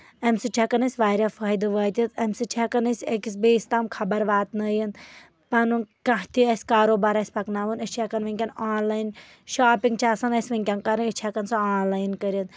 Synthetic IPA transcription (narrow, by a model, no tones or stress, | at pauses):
ɐmʲsɨt͡ʃʲʰakɐnɐsʲʋaːɾʲafʰaːjd̪ɨʋaːt̪ʲit̪ɐmʲsɨt͡ʃʰakɐnɐsʲekisbeːst̪amkʰɐbɐɾʋaːt̪nɐjin | pɐnukɐ̃ht̪ʰiɐsʲkaːɾoːbaɾɐsʲpɐknaːʋənɐt͡ʃʰakɐnʋɐŋʲkʲɐnaːnlaːjin | ʃaːpiŋɡt͡ʃʰaːsɐnɐsʲʋɐŋʲkʲankɐɾɨit͡ʃʰakɐnsɐaːnlaːjnkɐɾɐt̪